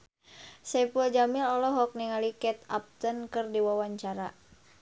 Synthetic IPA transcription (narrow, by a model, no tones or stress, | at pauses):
sɛpud͡ʒamilɔlɔɦɔk̚niŋalikɛt̪ap̚t̪ənkɨrdiwawaɲt͡ʃaɾa